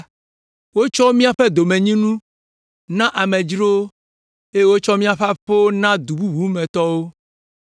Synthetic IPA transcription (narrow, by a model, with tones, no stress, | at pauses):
wo˦t͡ʃɔ˦mĩ˦a˨ɸɛ˦d̪o˨mɛ̃˨ɲĩ˦nũ˦ | nã˦ʔa˨mɛ̃˨d͡ʒɾo˦ | e˦wo˦t͡ʃɔ˦mĩ˦a˨ɸa˦ɸo˦nã˦d̪u˨bu˦βu˨˦mɛ̃˨t̪ɔ˦wo˦